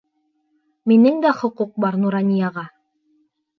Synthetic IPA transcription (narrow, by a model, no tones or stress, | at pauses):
minɘŋd̪æχŏquq̚bɑɾnuɾɑnʲijɑʁɑ